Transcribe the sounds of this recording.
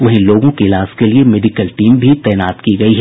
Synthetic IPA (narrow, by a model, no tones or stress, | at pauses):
ʋɐɦĩloːɡõkeɪlaːskeliemɛɖɪkəlʈiːmbʱit̪ɛːnaːt̪kiɡɐiɦɛ